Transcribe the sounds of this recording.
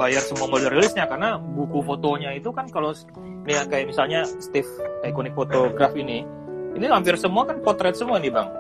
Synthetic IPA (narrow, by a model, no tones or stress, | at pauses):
bajarsəmuamodɛrelɪsɲakarnabukufot̪oɲait̪ukankalo | niakajaʔmisalɲast̪ɪfaakɔnɪk̚fot̪oɡɾafini | inilampɪrsəmuakanpɔt̪ɾɛt̪̚səmuanibaŋ